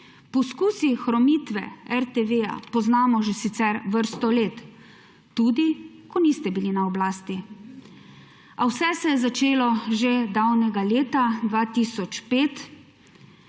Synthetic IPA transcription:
pɔskuːsixɾɔmit̪ʋɛ̰ɛɾt̪eʋeja̰pɔznaːmɔʒɛsit̪sɛɾʋəɾst̪ɔleːt̪ː | ud̪i | kɔnist̪ɛbilinaɔblaːst̪i | awsɛsɛjɛzat͡ʃeːlɔʒed̪awnɛɡaleːt̪ad̪ʋaːt̪isɔt͡ʃpeːt̪

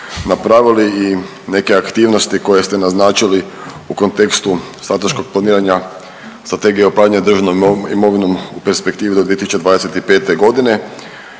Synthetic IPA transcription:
napɾaʋilii | ne̞ke̞akt̪iːʋnost̪iko̞je̞st̪enaznaːt͡ʃili | uko̞nt̪e̞kst̪u | st̪ɾat̪eʃko̞ɡ̚plˠaniːɾaɲa | st̪ɾat̪e̞ɡijeopɾaːʎaɲed̪r̩ʒanoḭmo̞ʋino̞mupeɾspe̞kt̪iːʋid̪oiet̪isu̥t͡ʃeʋaːd̪e̞set̪ipe̞ːt̪eɡo̞d̪ine̞

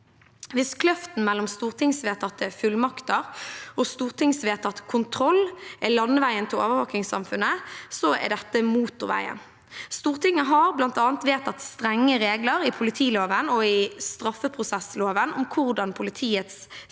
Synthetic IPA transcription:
ʋɪskʰlœft̪n̩mɛlːɔmst̪uːʁt̪ʰɪŋsʋeːt̪ʰɑt̪ːəfʉlmɑkt̪əʁɔst̪uːʁt̪ʰɪŋsʋeːt̪ʰɑt̪ːə̥kʰʊnt̪ʰɾɔlːʔɛlɑnəʋæɪənt̪ʰɪlo̰ːʋəʋɑːkɪŋsɑ̰mfʉnːəsɔɛ̰ɖɛt̪ːəmuːt̪ʊʁʋæ̰ɪə̰n | st̪uːʁt̪ʰɪŋːəɦɑʁblɑnt̪ɑːnt̪ʋeːt̪ʰɑt̪st̪ʁɛŋːəʁeːɡləʁɪpʰʊlɪt̪ʰiːloːʋənɔɪst̪ɾɑfːəpʰʁʊsɛsloːʋənɔmkʰʊʁd̪ɑnpʰʊlɪt̪ʰiːət̪s

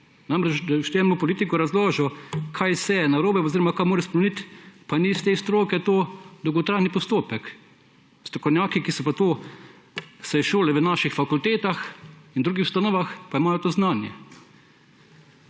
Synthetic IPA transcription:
namɾɛt͡ʃd̪aʃt̪ɛːnɔpɔliːt̪ikɔɾazloːʒɔkʰajsɛnaɾoːbɛoziːɾɔmakajmoːɾɛspɾɛmenit̪panist̪eːst̪ɾoːkɛt̪oːd̪ɔwɡɔt̪ɾaːjnipɔst̪oːpɛk | st̪ɾɔ̥kɔwnʲjaːkikisɔpat̪oː | sɛjʃoːlɛʋənaːʃixfakult̪eːt̪axind̪ɾuɡixw̥st̪anɔːʋaxpaimaːjɔt̪oːznaːnjɛ̰

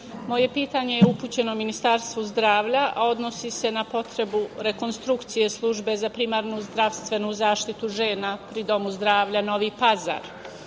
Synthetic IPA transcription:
mo̞je̞piːt̪aɲe̞jeupuːt͡ɕe̞nominist̪aɾst̪ʋuzd̪ɾaːʋʎaʔao̞d̪no̞sise̞napo̞t̪ɾe̞buɾe̞ko̞nst̪ɾukt̪sije̞slˠuʒbe̞zapɾimaːɾnuzd̪ɾaʋst̪ʋe̞nuzaːʃt̪it̪uʒe̞ːnapɾid̪o̞muzd̪ɾaːʋʎano̞ʋiːpaza̰ːɾ

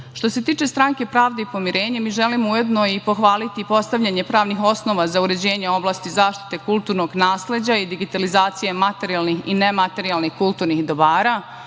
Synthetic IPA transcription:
ʃt̪o̞se̞t̪iːt͡ʃe̞st̪ɾaŋke̞pɾaːʋd̪eipo̞miɾeːɲemiːʒelimouje̞d̪noipo̞xʋaːlit̪ipo̞st̪aʋʎaɲe̞pɾaːʋnixo̞sno̞ʋazauɾe̞d͡ʑe̞ːɲeo̞blˠaːst̪izaːʃt̪i̥t̪e̞kulˠt̪uːɾno̞ɡnaːsle̞d͡ʑaid̪iɡit̪alizaːt̪sijemat̪e̞ɾijalˠnixḭnemat̪e̞ɾialˠnixkulˠt̪uːɾnixd̪o̞baːɾa

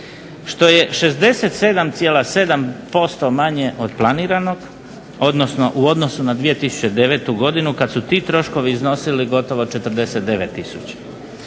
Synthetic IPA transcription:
ʃt̪o̞je̞ʃe̞zd̪e̞se̞t̪se̞d̪amt̪sjeːlase̞d̪ampo̞st̪o̞maɲe̞ʔod̪plˠaniːɾano̞ɡ | o̞d̪no̞sno̞ʔuo̞d̪no̞sunad̪ʋije̞t̪isu̥t͡ɕed̪e̞ʋeːt̪uɡo̞d̪inukad̪sut̪iːt̪ɾo̞ʃko̞ʋiːzno̞siliɡo̞t̪o̞ʋot͡ʃe̞t̪ər̩d̪e̞set̪̚d̪e̞ʋet̪ːisut͡ɕe̥

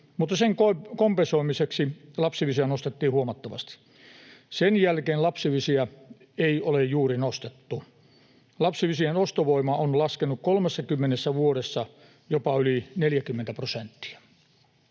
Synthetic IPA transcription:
mut̪ːɑseŋkokompensoimiseksilɑpsiʋisiænost̪et̪ːiːhuomɑt̪ːɑʋɑ̰st̪i̥ | senjælkeːnlɑpsiʋisiæ | eiolejjuːrinost̪et̪ːu | lɑpsiʋisienost̪oʋoimɑonlɑskenukkolmesːɑkymːenesːæʋuoɾesːɑ | jopɑylineljækymːent̪æprosent̪ːi̥æ

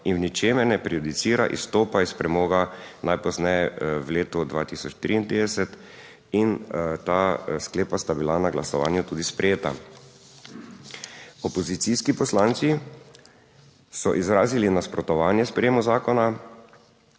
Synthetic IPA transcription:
innit͡ʃeːmɛɾnɛpɾiɔd̪it̪siːɾaʔḭst̪oːpaispɾɛmɔːɡanajpɔznɛjɛwleːt̪ɔd̪ʋa̰ːt̪isɔt͡ʃt̪ɾiint̪ɾiːd̪ɛsɛt̪ | int̪askleːpast̪abilanaɡlasɔʋa̰ːnjut̪uːd̪ispɾɛjeːt̪a̰ | ɔpɔzit̪siskipɔslaːnt̪si | sɔʔizɾaːzilinaspɾɔt̪ɔʋaːnjɛspɾɛjeːmuzaːkɔna

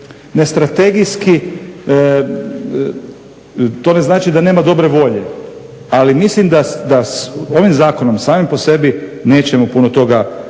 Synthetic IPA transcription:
ne̞st̪ɾat̪e̞ɡijski | t̪o̞ne̞znaːt͡ʃid̪ane̞ːmad̪o̞bɾe̞ʋo̞ʎe̞ | alimislimd̪ad̪aso̞ʋimzaːko̞no̞msaːmimpo̞se̞bine̞ːt͡ʃemopunot̪o̞ɡa

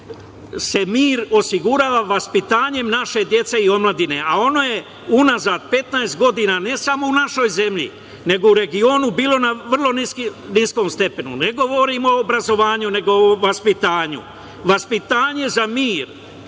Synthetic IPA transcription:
se̞miːɾo̞siɡuɾaːʋaʋaspit̪aːɲe̞mnaʃe̞d̪je̞t̪se̞io̞mlˠad̪ine̞̰ʔao̞no̞je̞ | unazad̪̚pe̞t̪naest̪̚ɡo̞d̪iːnane̞samo̞unaʃo̞jze̞mʎḭ | ne̞ɡo̞uɾe̞ɡio̞ːnubiːlˠo̞naʋr̩lˠo̞nisknisko̞ːmst̪e̞pe̞nṵne̞ɡo̞ʋo̞ɾimo̞ːbɾazo̞ʋaːɲune̞ɡo̞ʋaspit̪aːɲṵ | ʋaspit̪aːɲe̞zamiːɾ

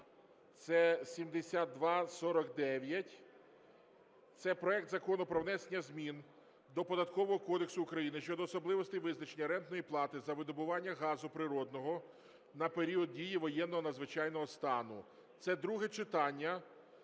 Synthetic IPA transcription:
t̪sɛsʲimd̪esʲat̪̚d̪ʋɑsɔɾɔkd̪ɛʋʲjɐtʲ | t̪sɛpɾɔɛk̚t̪zɐkɔnʊpɾɔʋnɛsenʲːɐzʲmʲin | d̪ɔpɔd̪ɐt̪kɔʋɔɦɔkɔd̪eksʊːkɾɐjinɪʃt͡ʃɔd̪ɔːsɔblˠɪʋɔst̪ejʋɪznɐt͡ʃe̞nʲːɐɾɛnt̪nɔjiplˠɑt̪ɪzɐʋɪd̪ɔbʊʋɑnʲːɐɦɑzʊpɾɪɾɔd̪nɔɦɔ | nɐpeɾʲiɔd̪̚dʲijiʋɔjɛnːɔɦɔnɐd̪zʋɪt͡ʃɑjnɔɦɔst̪ɑnʊ | t̪sɛd̪ɾuɦɛt͡ʃɪt̪ɑnʲːɐ

